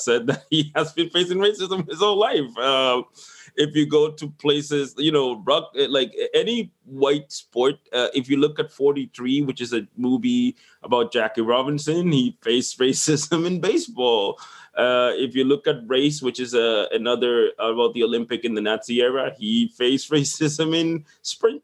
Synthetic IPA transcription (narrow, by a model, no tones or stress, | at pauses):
sɛd̪̚ðɨt̚hiɨzbɨ̃nfeɪsɪ̃ŋɹeɪsɨzə̃m̃n̩ɨzõʊ̃nlaɪfʌ̃mɪfjɨɡoʊɾɨpʰl̥eɪsɪzjɨnoʊɹʌk̚laɪkɛni | waɪtspɔɹt̚ʌʔɪfjɨlʊkɨtfɔɹɾiθɹiwɨt͡ʃɨzɨmuvi | əbaʊt̚d̥ʒ̥ækiɹɑbɨ̃nsɨ̃nhifeɪsɹeɪsɪzɨ̃mɨ̃nbeɪsb̥ɔlˠʌɪfjɨlʊkɨt̚ɹeɪs̬wɨt͡ʃɨzʌɨnʌðə˞baʊt̪̚ðioʊlɪ̃mpɨkɨ̃nðɨnæsiɛɹəifeɪsɹeɪsɨzɨ̃mɪ̃n | spɹɪ̃ŋ